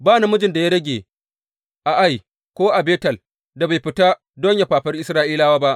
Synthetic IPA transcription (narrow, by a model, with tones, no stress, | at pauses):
baː˦na˨mʊ˦d͡ʒɪ˨nda˨ja˦ɽɐ˦ɡʲeː˨ | ʔa˨ʔa˦˨j | kʷoː˦ʔa˨beː˦tɐ˨l | da˨ba˨jɸɪ˨ta˦ | dɔ˦ɲja˨ɸaː˨ɸɐ˦rʔɪ˦sɾaː˦ʔiː˦laː˦waː˦ba˦ʔ